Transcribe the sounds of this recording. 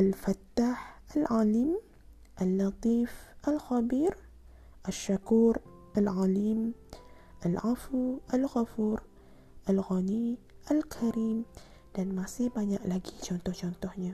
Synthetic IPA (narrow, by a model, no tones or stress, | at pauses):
ʔalfat̪ːaːħʔɪlʕaːliːm | ʔɪlːɑt̪ˤiːfʔɪlxabiːɾ | ʔɪʃːakuːɾʔɪlʕaːliːm | ʔɪlʕafuʔɪlɣafuːɾ | ʔɪlɣaniʔɪlkʰaɾiːm | danmasiːbaɲaʔlaɡit͡ʃant̪ot͡ʃant̪ohɲa